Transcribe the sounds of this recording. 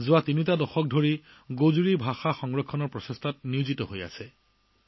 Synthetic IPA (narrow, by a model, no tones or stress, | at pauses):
zʊatinitadɔxɔk̚dʱoɹi | ɡozuɹibʱaxaxɔŋɹɔkʰːɔnɔɹpɹɔsɔstʰat̚niʊzitɔɦoja̰sɛ